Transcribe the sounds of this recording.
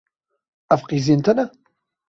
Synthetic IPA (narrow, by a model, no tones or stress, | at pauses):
æfqizint̪æna